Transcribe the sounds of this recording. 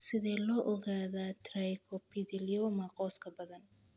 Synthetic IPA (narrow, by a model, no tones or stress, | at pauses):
sɪðɛːlɔːʔɔɣaːðaːt̪ʰrajkʰɔpʰɪdɪliɔːmɐqʼɔːskʰɐbɐðɐn